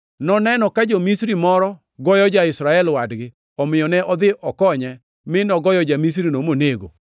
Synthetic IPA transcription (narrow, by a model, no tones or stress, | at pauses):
nɔnɛnɔkad͡ʒomisɾimɔɾɔ | ɡɔjɔd͡ʒaɪsɾaɛlwadɡɪ | ɔmɪjɔnɛʔɔd̪ɪʔɔkɔɲɛ | mɪnɔɡɔjɔd͡ʒamis̬ɾinomoneɡo̰